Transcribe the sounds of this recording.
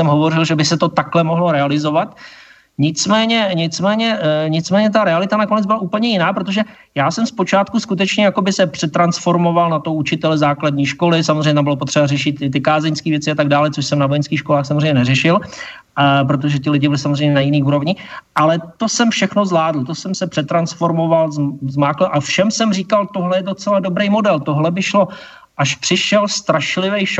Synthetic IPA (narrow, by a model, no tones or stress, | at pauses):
ɛmɦo̞vo̞rɪlʒɛbɪsɛt̪o̞t̪aklɛmoɦlo̞ɾɛalɪzo̞vat̪ | ɲɪt͡smɛːɲɛɲɪt͡smɛːɲɛɲɪt͡smɛːɲɛt̪aɾɛalɪt̪anako̞nɛd͡zbɪlaʔuːpl̩ɲɛjɪnaːpɾo̞t̪̬o̞ʒɛ | jaːsɛmspo̞t͡ʃaːt̪kuskut̪̬ɛt͡ʃɲɛjako̞bɪsɛpr̥ɛt̪ɾansfo̞ɾmo̞valnat̪owut͡ʃɪt̪ɛlɛzaːkladɲiːʃko̞lɪsamozreɲɛt̪ambɪlopot̪r̥ɛbarɛʃɪt̪ɪt̪ɪkaːzɛɲskiːvjɛt͡sɪat̪aɡ̚daːlɛt͡soʃsɛmnavojɛnskiːxʃko̞laːxsamozrejɲɛnɛrɛʃɪl | p̬ɾot̪̬oʒɛt̪ɪlɪɟɪbɪlɪsamozrejɲɛnajɪniːʔuːɾo̞vɲɪʔalɛt̪o̞sɛmfʃɛxno̞zlaːdl̩t̪osɛmsɛpr̥ɛt̪ɾansfo̞ɾmo̞valzzmaːklɛʔafʃɛmsɛmriːkalt̪oɦlɛjɛdo̞t͡sɛlado̞bɾejmo̞dɛlt̪o̞ɦlɛbɪʃlo̞ | ʔaʃpr̥ɪʃɛlst̪ɾaʃlɪvɛjʃ